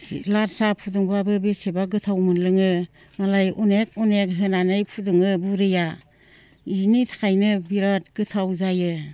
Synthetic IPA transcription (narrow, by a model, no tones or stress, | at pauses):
laɾsapʰuduŋbabɯbesebaɡɯtʰawmɯnlɯŋɯ | malajʔunek̚unekɦɯnanɯjpʰudɯŋɯbuɾɯja | initʰḁkʰajnɯbiɾɔt̚ɡ̥ɯtʰawzajɯ